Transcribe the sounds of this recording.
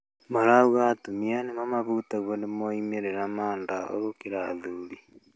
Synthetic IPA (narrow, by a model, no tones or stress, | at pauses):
maɾaβwaːtumianemamaβutaβonemoimeɾeɾamaːndao̰ɾukiɾaðuɾi